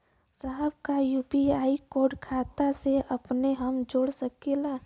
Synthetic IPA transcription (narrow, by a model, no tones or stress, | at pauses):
saɦəbkajupiaːikoːɾɖkʰat̪aseəpneɦəmd͡ʒoːɽsəkela